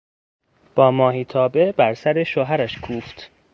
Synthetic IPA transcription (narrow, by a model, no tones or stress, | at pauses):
b̥ɒːmɒːɦiːt̪ʰɒːbe̞bæɾsæɾeʃoɦæɾæʃkʰuːft̪